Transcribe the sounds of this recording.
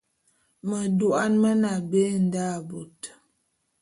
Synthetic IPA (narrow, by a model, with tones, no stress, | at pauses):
mə˨du˨a˦nmə˦na˨be˦n̩˦da˦˨bo˨t